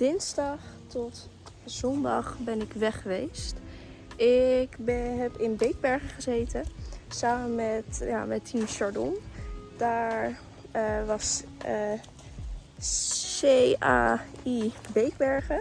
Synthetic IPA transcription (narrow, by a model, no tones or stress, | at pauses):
d̥ɪnzdɑχtɔtz̥ɔndɑ̰χbɛnɪkʋɛχəʋejst | ʔɪkbɛɦɛpɪnbejɡ̚bɛɹχəχəzejtəsaːmənmɛtja̰mɛtʰimʃɑɹdɔnd̥aːɹ | ʋɑs | ea̰ːibejɡbɛɹχə